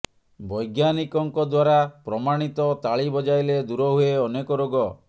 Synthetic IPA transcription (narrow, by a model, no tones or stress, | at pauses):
bɔjɡjanikɔŋkɔd̪waɾapɾɔmaɽ̃it̪ɔt̪aɭibɔd͡ʒajled̪uɾɔɦueɔnekɔɾoɡɔ